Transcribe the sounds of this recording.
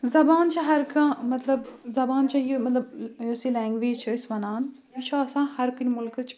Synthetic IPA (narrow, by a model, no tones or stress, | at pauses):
zɐbaːnt͡ʃʰaɦɐɾkãːmɐt̪lɐbzɐbaːnt͡ʃʰɐjimɐt̪lɐbjosilɛ̃ːŋɡʋeːd͡ʒt͡ʃʰɐsʋɐnaːn | jit͡ʃʰaɐsãːhɐɾkɨnmʊlkɨt͡ʃʰ